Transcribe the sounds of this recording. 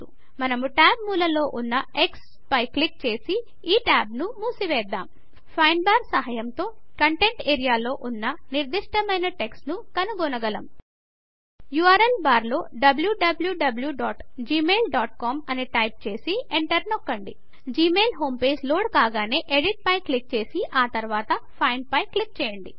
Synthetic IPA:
t̪ṵ | mɐnɐmuʈaːb̚muːlɐlo̞ːʔunːɐeks | pɐjklik̚t͡ʃe̞ːsi | iːʈaːbnumuːsiʋɛːd̪ːaːm | pʰɐjnbaːɾsɐɦɐjɐmt̪o̞ːkɐɳʈe̞ɳʈeːɾijaːlo̞ːʔunːɐniɾd̪iʂʈɐmɐjnɐʈe̞ksnukɐnuɡɔnɐɡɐlɐm | juːaːɾelbaːɾlo̞ːɖɐbljuɖɐbljuɖɐbljuɖaːʈd͡ʒiːmeːlɖaːʈ̚kaːmɐniʈɐjp̚t͡ʃe̞ːsieɳʈɐɾnokːɐɳɖi | d͡ʒiːmeːlɦo̞ːmpe̞ːd͡ʒloːɽkaːɡaːne̞ːʔeɽiʈ̚pɐjklik̚t͡ʃe̞ːsiʔaːt̪ɐɾʋaːt̪ɐpʰɐjnpɐjklik̚t͡ʃɛːjɐɳɖi

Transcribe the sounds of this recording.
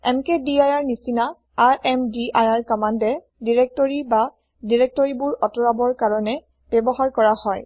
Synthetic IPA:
ɛ̰mkɛdiajaɹnisina | aɹʔɛmdiajaɹkɔmandɛ | diɹɛk̚tɔɹiba | diɹɛk̚tɔɹibʊɹɔtɔɹabɔɹkaɹɔnɛ | b̥ɛbɔɦaɹkɔɹahɔj

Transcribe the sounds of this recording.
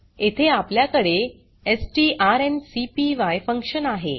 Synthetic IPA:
et̪ʰeapljakəɽe | esʈiːʔaɾensipiʋajfəŋkɕənaɦḛ

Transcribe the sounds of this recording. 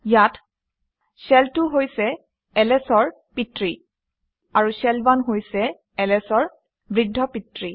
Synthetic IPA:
jat | sɛltʊɦojsɛ | ɛlɛsɔɹ | pitɹi | aɹusɛlbanɦojsɛ | ɛlɛsɔɹ | bɹidʱːɔpitɹi

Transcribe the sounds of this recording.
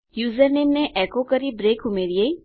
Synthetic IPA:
juːzəɾneːmneʔɛːkokəɾibɾeːkumeɾiei

